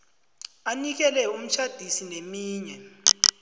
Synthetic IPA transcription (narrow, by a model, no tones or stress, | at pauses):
anik̬ɛlɛum̩t͡ʃʰad̥ʱisinemiːɲɛ